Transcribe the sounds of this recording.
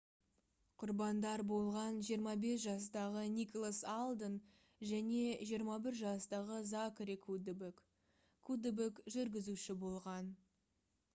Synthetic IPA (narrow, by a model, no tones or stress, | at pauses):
qʰʊɾbɑnd̪ɑɾbo̞lˠʁɑnʒijəɾmɑbe̞s̬ʒɑs̬t̪ɑʁənikolˠasalˠd̪ən | ʒæne̞ʒijəɾmɑbɪɾʒɑst̪ɑʁəzakɾikʰud̪bk | kʰud̪ebɪkʒʏɾɡʲɪzuʃɪbo̞lˠʁɑn